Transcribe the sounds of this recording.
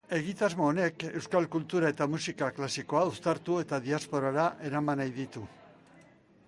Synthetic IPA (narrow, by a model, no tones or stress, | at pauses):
e̞ɣ̞it̪azmo̞ːne̞ke̞wskalkult̪uɾae̞t̪amusikaklasiko̞aust̪aɾt̪ue̞t̪aðiaspo̞ɾaɾaʔe̞ɾamanajðit̪u